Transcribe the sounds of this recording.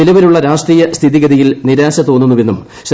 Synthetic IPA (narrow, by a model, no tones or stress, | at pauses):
ilɐʋɐluɭːɐɾaːʂʈriːjɐst̪ʰiðiɡɐðijilniɾaːɕɐt̪o̞ːnːunːuʋe̞nːum | ɕ